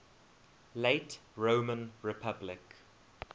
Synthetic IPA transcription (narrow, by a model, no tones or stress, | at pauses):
leɪtɹoːmə̃nɹɪpʰablɪk